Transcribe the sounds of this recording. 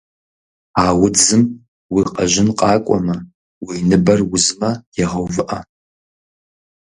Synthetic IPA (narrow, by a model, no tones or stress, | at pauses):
aːwʊd͡zɨm | wiqʼaʒɪnqʼɑːkʷʼɔ̰mɐ | wiːnɨbɐrwʊzmɐjɛʁɐwvɨʔɐ